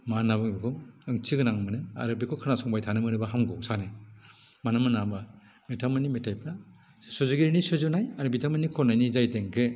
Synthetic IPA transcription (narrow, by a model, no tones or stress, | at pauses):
manabɯŋbikʰɔɯŋt͡ʃiɡɯnaŋmɯnɯa̰ɾɯbikʰɔkʰɯnasɔŋbajtʰanɯmɯnɯbaɦamɡɔwsanɯ | manɯmɯnamba | metʰamɯnimetʰajpʰɾa | sɔzuɡiɾnisɯzunajaɾɯbitʰamɯnikʰɔnajnizajteŋkʰɯ